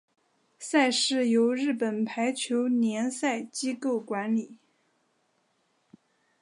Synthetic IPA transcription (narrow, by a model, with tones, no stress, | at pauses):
sa˥˧ɪʂɻ̩˥˩jo˧˥ʊɻɻ̩˥˩pə˨˩npʰa˧˥ɪt͡ɕʰjo˧˥ʊnjɛ˧˥nsa˥˩ɪt͡ɕi˥ko˥˩ʊkwa˧˥nli˨˩˦